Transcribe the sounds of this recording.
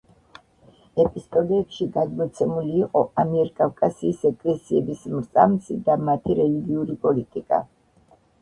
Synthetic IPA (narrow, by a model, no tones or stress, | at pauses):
ɛpʼist̪ʼɔlɛɛpʃiɡad̪mɔt̪sʰɛmuliːqʼɔamiɛɾkʼafkʼasiːsɛkʼlɛsiɛbismɾt̪sʼa̰msḭd̪amat̪ʰiɾɛliɡiuɾipʼɔlit̪ʼikʼa̰